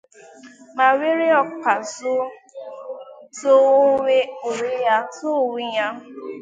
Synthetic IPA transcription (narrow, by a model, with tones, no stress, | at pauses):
ma˨we˦ɾe˦ɔ˦k͡pa˨sʊ˦ | to˦o˦we˦o˨ɾe˦ja˦sʊ˦˨wi˦ɲa˦